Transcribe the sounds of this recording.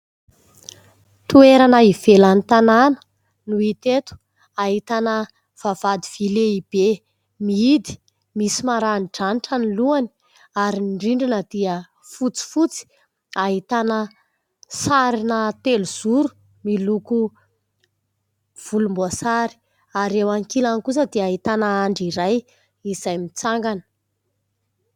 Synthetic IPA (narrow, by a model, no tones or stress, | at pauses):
t̪ueɾanəiv̥elanit̪ananə̥ | nuit̪et̪u̥ | aɦit̪anə | v̥av̥ad̪iv̥ileib̥e | miid̪i̥ | misimaɾanʈ͡ʂaniʈ͡ʂaniluani̥ | aɾiɳɖ͡ʐiɳɖ͡ʐinəd̪̥iə | fut͡si̥fut͡si̥ | aɦit̪anə | saɾinət̪eluz̥uɾu̥ | miluku | v̥ulumbuasaɾi̥ | aɾewaŋkilanikus̬əd̪eaɦit̪anəaɳɖ͡ʐiɾaj | iz̥ajmit͡saŋɡanə̥